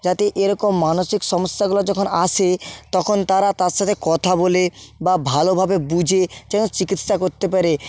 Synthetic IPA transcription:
d͡ʑat̪eʔeɾɔkomːanoʃikʃɔmosjaɡulad͡ʑɔkʰonat͡ʃʰet̪ɔkʰont̪aɾat̪aɾʃat̪ʰekɔt̪ʰabolebabʱalobʱabebud͡ʑʱed͡ʑɛnot͡ɕikit̪ʃakoɾt̪epaɾe

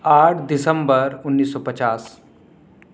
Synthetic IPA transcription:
aʈʰd̪isəmbəɾunːiːsːɔpət͡ɕas

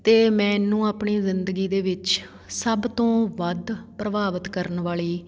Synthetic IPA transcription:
t̪eːmɛ̃ːnːũːaːpɳiːzɪnd̪əɡiːd̪eːʋɪt͡ʃ | səbt̪õːʋəd̪pɾəbaːʋət̪kəɾənʋaːɭiː

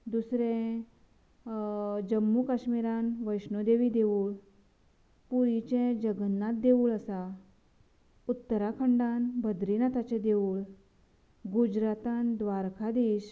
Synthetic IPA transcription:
d̪usɾɛ̃ | d͡ʑəmːukaɕmiɾãnʋəjsnud̪eʋid̪euːɭ | puɾit͡ɕẽd͡ʑəɡənːãt̪̚d̪euːɭəsa | ut̪ːəɾakʰəɳɖanbʱəd̪ɾinat̪at͡ɕɛ̃d̪euːɭ | ɡud͡ʑɾat̪and̪ʋaɾkʰad̪iːɕ

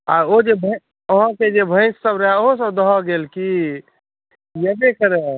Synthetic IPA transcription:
a̰od͡ʒebʱə | əɦɔ̃ked͡ʒebʱə̃ɪ̃sːəbɾəɦɛoɦosəbd̪əɦɔɡelki | jəbekəɾe

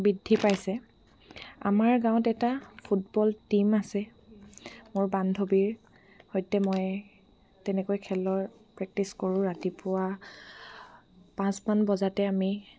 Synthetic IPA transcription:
bidʱːipajsɛ | a̰maɹɡãwʊ̃tɛtapʰutbɔltimasɛ | mʊɹbandʱobiɹ | hɔjtɛmɔj | tɛnɛkojkʰɛlɔɹ | pɹɛk̚tiskoɹʊ̃ɹatipʊwa | pãsmanbɔzatɛami

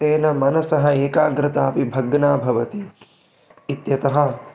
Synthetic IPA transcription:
eːnɐmɐnɐsɐɦɐeːkaːɡɾɪt̪aːpibʱɐɡnaːbʱɐʋɐt̪iː | t̪jɐt̪ɐɦɐ

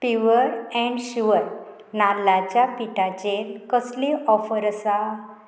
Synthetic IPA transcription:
piʋəɾɛ̃ɳɖɕuʋəɾ | nalːat͡ɕjapiʈat͡ɕelkəsliɔfəɾəsa

